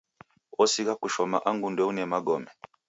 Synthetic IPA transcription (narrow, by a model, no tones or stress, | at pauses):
ɔsiɣakuʃɔma̰ʔaŋɡundɛunɛmaɡɔmɛ